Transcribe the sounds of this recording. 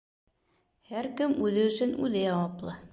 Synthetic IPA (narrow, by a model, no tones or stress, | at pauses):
hæɾkɘmʉðɘɵ̆sɵnʉðɘjɑwɑplˠɤ